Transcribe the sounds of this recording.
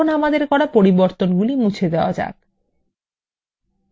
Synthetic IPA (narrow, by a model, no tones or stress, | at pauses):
onamad̪eɾkɔɽapoɾiboɾt̪onɡulimut͡ɕʰed̪eoa̰d͡ʑa̰k